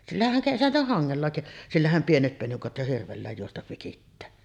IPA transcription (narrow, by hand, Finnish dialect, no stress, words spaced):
silːæhæŋ kesæ jo hɑŋːelːɑ silːæhæm pienet penikɑt jo hirʋelːæˑej juostɑʋ ʋikitːæː